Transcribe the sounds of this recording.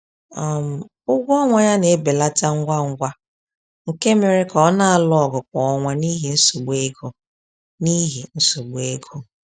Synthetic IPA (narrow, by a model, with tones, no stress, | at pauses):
ɔ˨m̩˨ | ʊ˦ɡʷɔ˦ŋʷa˨ja˦ne˨˦be˨la˦ta˦ŋ̩˦ɡʷa˦ŋ̩˦ɡʷa˦ | ŋ̩˨ke˦me˨ɾe˦kɔ˨ɔ˦na˨a˨˦lɔ˨ɡʊ˨k͡pɔ˨ɔ˨ŋʷa˦ni˦ɦi˨n̩˦su˨ɡ͡be˦ɡo˦ | ni˦ɦi˨n̩˦su˨ɡ͡be˦ɡo˦